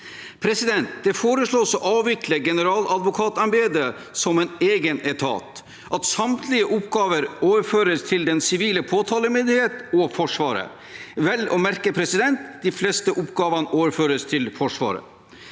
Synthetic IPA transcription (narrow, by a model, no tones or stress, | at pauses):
pʰɾɛsɪd̪ɛnt̪d̪̥ɛfoːɾəsɭoːsɔʔɑːʋːɪkʰləɡɛnəɾɑːlɑd̪ʋʊkʰɑːt̪ɑmbeːd̪ə | sɔmɛneːɡənɛt̪ʰɑ̰ːt̪ | ʔɑt̪sɑmt̪ʰlɪəʔʊpɡɑːʋəɾoːʋəɾføːɾəst̪ʰɪld̪ɛnsɪʋiːləpʰoːt̪ʰɑːləmɪnd̪ɪheːt̪ɔfɔʂʋɑːɾə̰ | ʋɛlɔmæɾkəpʰɾɛsɪd̪ɛnt̪d̪ɪflɛst̪əʔʊpɡɑːʋɑnəʔoːʋəɾføːɾəst̪ʰɪlfɔʂʋɑ̰ːɾə̰